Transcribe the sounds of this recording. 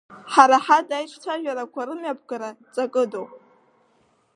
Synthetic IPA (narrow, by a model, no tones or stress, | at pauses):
ħaɾaħadajʈ͡ʂʼʰtʰaʒᶣaɾakʷʰaɾɨmjapʰɡaɾat͡sʼakʼɨdowpʼ